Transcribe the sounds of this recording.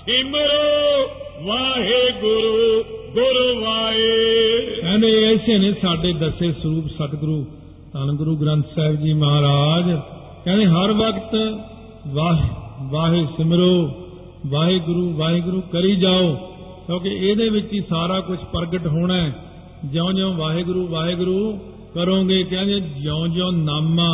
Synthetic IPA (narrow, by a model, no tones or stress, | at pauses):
sɪmɾoː | ʋaːɦeːɡʊɾuːɡʊɾuːʋaːe | kɛ̃ːnd̪eːəɪseːnẽːsaːɖeːd̪əseːsəɾuːpsət̪ɡʊɾuː | t̪ənɡʊɾuːɡɾə̃nt̪sɛːbd͡ʒiːməɦaːɾaːd͡ʒ | kɛ̃ːnd̪eːɦəɾʋəkt̪ | ʋaːɦʋaːɦeːsɪmɾoː | ʋaːɦeːɡʊɾuːʋaːɦeːɡʊɾuːkəɾiːd͡ʒaːoː | kõːk̬eeːd̪eːʋɪt͡ʃiːsaːɾaːkʊt͡ʃʰpəɾɡəʈɦoːɳɛː | d͡ʒãõːd͡ʒõːʋaːɦeːɡʊɾuːʋaːɦeːɡʊɾuː | kəɾõːɡeːkɛ̃ːd͡ʒeːd͡ʒə̃õd͡ʒõːnaːmãː